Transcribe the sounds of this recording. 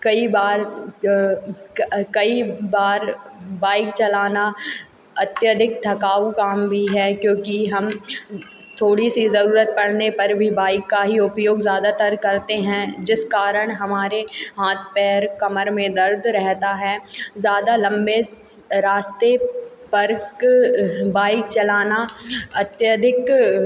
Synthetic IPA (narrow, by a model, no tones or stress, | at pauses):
kɐibaːɾ | kɐibaːɾbaːɪkt͡ʃɐlaːna | ɐt̪jəd̪ʱɪk̚d̪ʱɐkaːukaːmbʱiɦɛkjõːkiɦɐm | t̪ʰoːɽisizɐɾuːɾət̪̚pɐɽ̤nepɐɾbʱibaːɪkːaɦiʊpjoːɡzjaːd̪at̪ɐɾkɐɾt̪eɦɛ̃d͡ʒɪskaːɾəɽ̃ɦɐmaːɾeɦaːt̪̚ʰpɛːɾkɐməɾmẽd̪ɐɾd̪ʱɾɛɦt̪aɦɛːzjaːd̪alɐ̃mbeɾaːst̪e | pɐɾk | baːɪk̚t͡ʃɐlaːnaɐt̪jəd̪ʱɪk